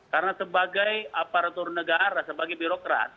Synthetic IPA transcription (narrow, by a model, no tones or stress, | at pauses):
kaɾənasəbaɡajapaɾat̪ʊrnəɡaɾasəbaɡajbiɾokɾa̰t̪̚